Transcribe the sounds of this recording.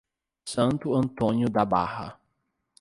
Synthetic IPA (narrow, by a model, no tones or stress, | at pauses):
sɐ̃nt̪ʊɐ̃nt̪õnjʊd̪aba̰hɐ̰